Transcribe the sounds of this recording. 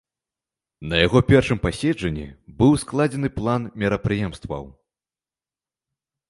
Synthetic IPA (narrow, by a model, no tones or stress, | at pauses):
nɐjaɣɔpʲɛrʂɨmpasʲɛd͡ʐɐnʲːḭbɨwsklˠad͡zʲɛnɨplˠanmʲɛɾɐpɾɨjɛmst̪vɐ̰w